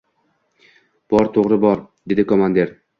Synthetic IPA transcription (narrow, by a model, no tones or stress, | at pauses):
b̥ɒɾt̪ʰoʁɾɪbɒɾd̪e̞d̪ɪkʰomand̪e̞ɾ